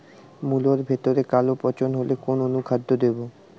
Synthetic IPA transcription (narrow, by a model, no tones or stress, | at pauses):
muloɾbʱet̪oɾekalopɔt͡ɕonɦolekononukʰad̪ʱːod̪ebo